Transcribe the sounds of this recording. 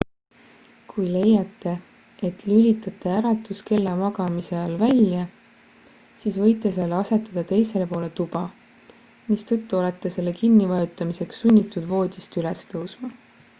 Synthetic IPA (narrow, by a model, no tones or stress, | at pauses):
kʰujle̞jːɑt̪ːˑe̞ | e̞t̪ːˑlylʲit̪ːˑɑt̪ːˑe̞eɾɑt̪ːˑuske̞lːɑmɑɡ̥ɑmise̞ɑlvælʲjɑ | siːsvɤ̞jt̪ːˑe̞se̞leɑse̞t̪ːˑɑd̪̥ɑt̪e̞jse̞lepo̞ːle̞t̪ub̥ɑ | mist̪ɤ̞t̪ːuolet̪ːˑe̞se̞lːe̞kinʲːivɑjot̪ˑːɑmise̞ksːunʲːit̪ːˑud̪̥vo̞ːd̪̥ʲist̪ylest̪ɤwsmɑ